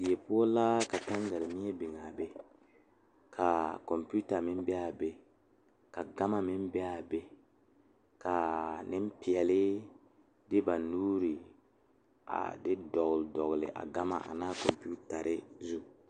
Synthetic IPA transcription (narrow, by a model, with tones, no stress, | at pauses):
i˨je˨pʊ˦o˦laː˦ka˨ta˦n˦ɡa˨lɪ˨mi˦e˦bɪ˨ŋa˨be˦ | kʰa˨kɔ˨mpi˦u˦ta˨mɪ˦m˦ba˨be˦ | ka˨ɡa˦ma˦mɪ˦mbɛ˦a˨be˦ | ka˨nɪ˦m˦pi˨ɛ˨lɪ˦ | dɪ˦ba˨nuː˦ɾi˨ | a̰˨dɪ˦dɔ˨ɣʊ˨ldɔ˨ɣlɪ̰˨ʔa̰˨ɡa˦ma̰˨ʔa̰˨naː˦ko˨mpu˦ta˨ɾɪ˦zu˦